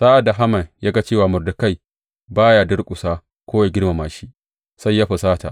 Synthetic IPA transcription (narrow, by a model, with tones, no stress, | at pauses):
saː˦ʔa˨da˨ɦa˦mɐ˨njaː˦ɡa˦t͡ʃeː˦˨waː˨mʊ˨rda˨ka˦˨j | baː˦ja˨dɐ˦rkʷʼʊ˨saː˦ | kʷoː˦wja˨ɡʲɪ˦rma˨maː˨ʃi˦ | sa˦jːaː˦ɸɐ˨saː˦ta̰˨ʔ